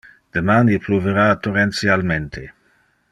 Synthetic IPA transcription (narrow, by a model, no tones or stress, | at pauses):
d̪̥emaːnipluveɾat̪orɛnt̪sjalment̪ʰe